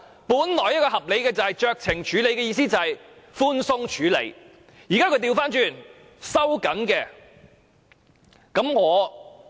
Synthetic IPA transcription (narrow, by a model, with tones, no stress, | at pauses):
puː˨˥nlɔː˨˩jɐ˥t̚kɔː˧ɦɐ˨p̚le˨˧jkɛː˧t͡sɐ˨hɐ˨jt͡ʃœː˨˧k̚t͡sʰɪ˨˩ŋt͡ʃʰyː˨˥le˨˧jkɛː˧jiː˧siː˥t͡sɐ˨hɐ˨j | fuː˥nsʊ˥ŋt͡ʃʰyː˨˥lḛ˨˧j | jiː˨˩kaː˥kʰɵ˧ɥt̪iː˧wfaː˥nt͡ʃyː˨˩n | sɐ˥wkɐ˨˥nkɛː˧ | kɐ˨˥mŋɔː˨˧